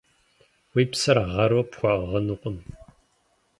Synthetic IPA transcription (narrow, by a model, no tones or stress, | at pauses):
wiːpsɐrʁɐɾopxʷɑʁɐnuqʷʊm